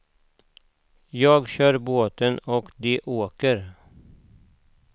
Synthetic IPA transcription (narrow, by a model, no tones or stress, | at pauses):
jɑːɡɕœːɾboːt̪ənɔkd̪ɛʔoːkəɾ